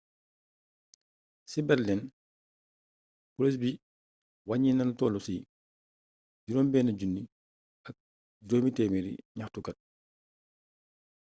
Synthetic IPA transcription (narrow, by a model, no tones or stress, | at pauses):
sibɛɾlɛn | pulɛs̬bi | waɲinɐntɔlusiː | ɟiɾɔnbɛːnɐɟunːi | ʔɐk̚ | doːmitɛːmiɾḭɲaxtukɐt̚